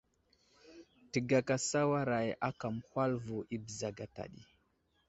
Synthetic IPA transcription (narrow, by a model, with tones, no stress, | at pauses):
ti˨ɡa˨ka˨sa˦wa˦ɾa˨jʔa˦ka˨m˨hwa˦lvu˨ʔi˦bza˨ɡa˨ta̰˨ɗḭ˨